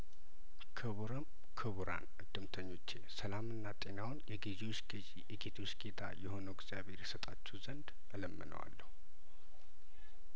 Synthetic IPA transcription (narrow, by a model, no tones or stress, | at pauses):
kʰɨβuɾəm | kʰɨβuɾa̰nʔɨd̪ːɨmt̪ʰəɲːo̞t͡ʃːesəlamɨnːat̪ʼe̞nawnjɛɡizewot͡ʃː | jɛɡet̪ʰo̞t͡ʃːɡet̪ʰajɛho̞nəwɡz̥ijaβhe̞ɾjɛsət̪ʼat͡ʃːɛwzənd̪ | ələmːɨnə̰wa̰lːəhu